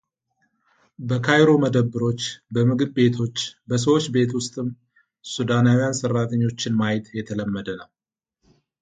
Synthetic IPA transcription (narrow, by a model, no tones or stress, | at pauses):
bəkʰajɾo̞məd̪əbːɨɾo̞t͡ʃːbəmɨɡɨβbe̞t̪ʰo̞t͡ʃːbəs̬əwot͡ʃːbe̞t̪wʊst̪ʼɨm | sud̪anawijansərːat̪ʰəɲːo̞t͡ʃːɪnmajt̪jɛt̪ʰələmːəd̪ənəw